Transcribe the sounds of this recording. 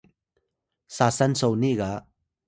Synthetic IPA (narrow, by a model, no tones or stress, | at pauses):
sasansɔwniɡa